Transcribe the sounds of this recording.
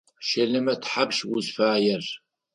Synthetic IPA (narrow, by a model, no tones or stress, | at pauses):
ʃɐlɐmɐtħabʃwʊzfaːjɛr